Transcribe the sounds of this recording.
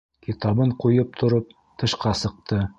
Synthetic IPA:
kit̪ɑβɤɴqujɤp̚t̪ʰŏɾɤp̚ | t̪ɤ̆ʃqɑsɤ̆q̚t̪ɤ

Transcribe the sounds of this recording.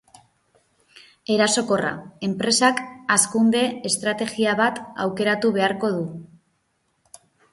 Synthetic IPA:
e̞ɾaso̞ko̞ra̰e̞mpɾe̞sakaskund̪e̞ːst̪ɾat̪e̞ɣiaβ̞at̪a̰wke̞ɾat̪uβ̞e̞aɾko̞ð̞u

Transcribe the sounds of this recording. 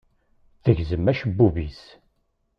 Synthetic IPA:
θəʝzəmːæʃəbːuvis

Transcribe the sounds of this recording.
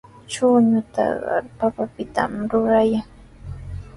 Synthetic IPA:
t͡ʃʊɲʊt̪ɑ̰ɢɑ̰ɾpapapɪt̪a̰mɾʊɾajaŋ

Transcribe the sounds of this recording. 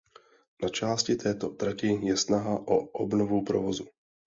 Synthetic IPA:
nat͡ʃaːscɪt̪ʰɛːt̪ot̪ɾacɪjɛsnaɦaʔoʔobnovupɾo̰vozu

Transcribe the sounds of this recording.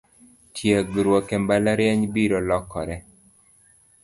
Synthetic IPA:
tʰjeɡɾwɔkɛmbalaɾjɛɲbiɾɔlɔkːɔ̰ɾɛ

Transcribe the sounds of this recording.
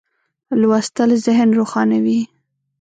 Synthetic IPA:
lwast̪əlzɪhnɾoxɑnawi

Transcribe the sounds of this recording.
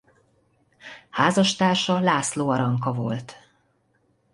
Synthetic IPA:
haːzɒʃt̪aːrʃɒlaːsloːɒɾɒŋkɒvo̞̰lt̪

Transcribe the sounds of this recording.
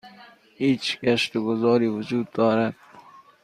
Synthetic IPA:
hit͡ʃkaʃt̪ʊɡʊzɑːɾiːwʊd͡ʒuːd̪̚d̪ɔːɾad̪̚

